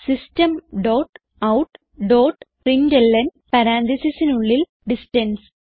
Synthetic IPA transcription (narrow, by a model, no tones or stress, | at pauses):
sɪsʈɐmɖoːʈ | ɐʊʈ | ɖoːʈ | ɾind͡ʒelːɐnpɐɾãːnt̪isisinuɭːil | ɖɪsʈɐns